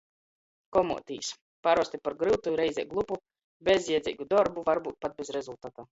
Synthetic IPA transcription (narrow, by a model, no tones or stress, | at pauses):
kɔmṵɔt̪ʲiːs | paɾɔst̪ipaɾɡɾɨwt̪uɾɛjzʲɛt̪ɡlˠupu | bʲezjɛd̪zʲḭːɡud̪ɔɾbuvaɾbuːt̪̚pat̪̚bʲɛzɾɛzulˠt̪aːt̪aː